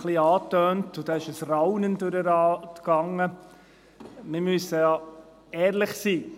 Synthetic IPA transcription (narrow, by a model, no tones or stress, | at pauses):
χliɑːtøːntʊd̥̪ɛɪʃəsrawnəndʉɾəɾɑːtɡ̥ɑŋə | mɪmysəjɑ | ɛːɾlɪχsiː